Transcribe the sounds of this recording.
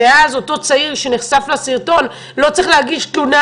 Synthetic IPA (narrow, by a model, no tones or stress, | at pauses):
eazo̞to̞t͡saiʁʃe̞niχsaflasiʁt̪o̞n | lo̞t͡sʁiχlehaɡiʃtluna